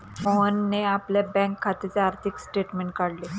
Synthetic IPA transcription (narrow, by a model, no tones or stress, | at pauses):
fonːeapljabɛ̃ŋkʰːat̪et͡seaɾt̪ʰiksʈeʈmeɳʈ̚kaɽle